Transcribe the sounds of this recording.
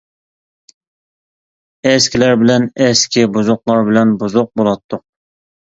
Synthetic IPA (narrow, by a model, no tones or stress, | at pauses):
ɛskʲilæɾbɪlɛnɛskʲibuzʊqlˠɑɾbɪlɛnbuzʊq̚bolˠɑt̪ʰːʊq̚